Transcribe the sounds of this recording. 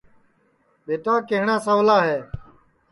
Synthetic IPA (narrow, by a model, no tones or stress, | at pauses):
ɓeːʈãːkeɦɳãːsalaːɦeː